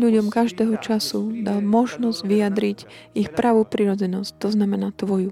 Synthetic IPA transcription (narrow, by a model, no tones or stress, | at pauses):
ʎuɟɔmkaʒd̪ɛːɦɔt͡ʃasud̪almɔʒnɔzɟʋijad̪ɾiɟixpɾʔaʋuːpɾiɾɔd͡zɛnɔsct̪ɔznamɛnaːt̪ʋɔju